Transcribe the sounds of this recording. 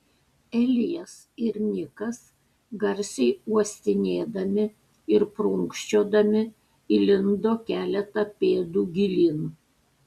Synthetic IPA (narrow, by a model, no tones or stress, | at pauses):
ɛlʲɪjɛs | ɪɾnʲɪkɐs | ɡɐɾʲsʲɛɪuɔsʲt̪ʲɪnʲeːd̪ɐmʲɪ | ɪɾpɾʊŋkʃʲt͡ʃʲoːd̪ɐmʲɪ | ilʲɪnd̪oːkʲæːlʲɛt̪ɐpʲeːd̪uːɡʲɪlʲiːn